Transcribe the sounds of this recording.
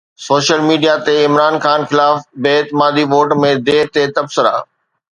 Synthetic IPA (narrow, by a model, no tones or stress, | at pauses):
soːʃəlmiːɖijat̪eɪmɾaːnxaːnxɪlaːfbeːɪt̪ɪmaːd̪iʋoːʈmẽd̪eːɾt̪et̪ɐbsɪɾa̰ː